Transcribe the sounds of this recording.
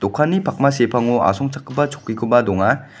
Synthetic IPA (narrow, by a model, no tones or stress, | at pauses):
d̥̪ɔkʰːanːipʰak̚masepʰaŋua̰sɔŋt͡ʃʰḁkʰːɯbat͡ʃʰɔ̥kːikʰɯbadɔŋa